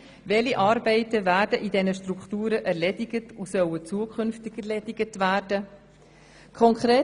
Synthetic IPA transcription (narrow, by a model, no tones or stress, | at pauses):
vɛliʔɑːɾbɛɪtəvæːɾdəʔidɛnəʃtɾukχtuːɾəʔɛɾlɛdɪɡətusœwət͡suəkʰʏnftɪɡɛrlɛdɪɡətvæːrd̥ə | kʰɔŋkʰɾeː